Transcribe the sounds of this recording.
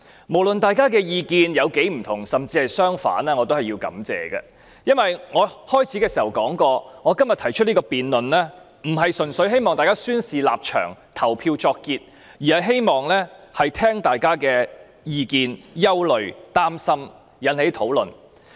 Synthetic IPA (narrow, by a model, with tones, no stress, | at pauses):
mo˨˩wlə˨nt̪aː˨jkaː˥kɛː˧jiː˧kiː˨˧njɐ˨˧wke˨˥jm̩˨˩t̪ʰʊ˨˩ŋsɐ˨mt͡siː˧hɐ˨jsœː˥ŋfa̰ː˨˥nɛː˥ŋɔː˨˧t̪o˥whɐ˨jiː˧wkɐ̰˨˥mt͡sɛ̰ː˨ɡɐ̰˨˧ | jɐ˥nwɐ˨jŋɔː˨˧hɔː˥jt͡sʰiː˨˥kɛː˧siː˨˩hɐ˨˩wkɔː˨˥ŋkɔː˧ŋɔː˨˧kɐ˥mjɐ˨t̪ʰɐ˨˩jt͡ʃʰɵ˥liː˥kɔː˧piː˨nlɵ˨nlɛː˥ | m̩˨˩ɦɐ˨jsɵ˨˩nsɵ˨˥ɥɦe˥jmɔː˨ŋt̪aː˨jkaː˥syː˥nsiː˨la̰ː˨p̚t͡ʃʰœ̰ː˨˩ŋt̪ʰɐ˨˩wpʰiː˧wt͡ʃɔː˧kːiː˧t̚ | jiː˨˩hɐ˨jɦe˥jmɔː˨ŋlɛː˥hɐ˨jt̪ʰɛː˥ŋt̪aː˨jkaː˥kɛː˧ | jiː˧kiː˨˧njɐ˥wlɵ˨˧ɥt̪aː˥msɐ˥m | jɐ˨˥nhe˨˥jt̪ʰo˨˥wlɵ˨n